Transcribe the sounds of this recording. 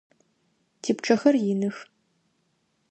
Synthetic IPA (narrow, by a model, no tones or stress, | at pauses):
tʰiːpʈ͡ʂʼɐxɐrjɪnɨx